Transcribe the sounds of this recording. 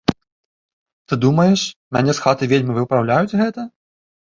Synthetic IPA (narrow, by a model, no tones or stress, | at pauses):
t̪ɨd̪umɐjɛʂmʲanʲɛsxat̪ɨvʲelʲmʲivɨpɾawlʲajut͡sʲɣɛt̪ɐ